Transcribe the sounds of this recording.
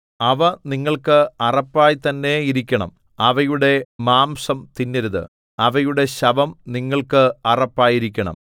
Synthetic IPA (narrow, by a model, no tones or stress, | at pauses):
ɐʋɐniŋːɐɭkɨɐrɐpːaːjit̪ɐnːe̞iɾikʲːɐɳɐ̰m | ɐʋɐjuɽe̞maːmsɐmt̪inːɐɾuðɨ̰ | ɐʋɐjuɽe̞ɕɐbɐmniŋːɐɭkɨɐrɐpːaːjiɾikʲːɐɳɐ̰m